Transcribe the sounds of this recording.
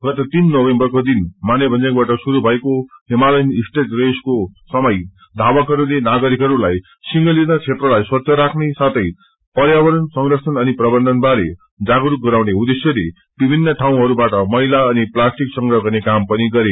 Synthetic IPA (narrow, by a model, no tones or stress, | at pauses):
ɡʌt̪at̪inːobembʌrkod̪inmanjʌbʱʌnd͡zakbaʈʌsuɾubʱʌekoɦemalʌjnisʈeʈreskosʌmʌj | d̪ʱawʌkɦʌɾunenaɡʌɾikɦʌɾulaj | siŋɡʌlit̪at͡sʰet̪rʌlajswʌt̪sʰʌɾakʰnesat̪ʰʌj | pʌɾjawʌɾʌnsʌŋɡrʌsʰʌnʌniprʌbʌnd̪ʱʌnbaɾḛ | d͡zaɡɾuk̚ɡʌɾawneud̪esjʌle | b̥ibʱinːʌʈʰaw̃ɦʌɾubaʈʌmʌɦilaʌniplasʈiksʌŋɡrʌɡʱʌnekampʌniɡʌɾe